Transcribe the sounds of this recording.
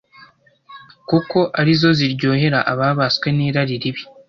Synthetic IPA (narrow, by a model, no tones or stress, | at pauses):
kuko̞ʔaɾizo̞ziɾɟo̞ːhe̞ɾaʔaβaːβaskwe̞niːɾaɾiɾiβi